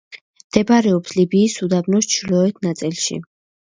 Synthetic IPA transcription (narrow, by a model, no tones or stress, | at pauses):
md̪̥ɛbaɾɛɔpslibiːsud̪abnɔst͡ʃʰlɔɛt̪ʰnat̪sʼilˠʃḭ